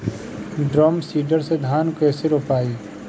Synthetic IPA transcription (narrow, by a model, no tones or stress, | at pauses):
ɖɾɔːmsiːɖəɾsed̪ʱaːnkɛːseɾopaːiː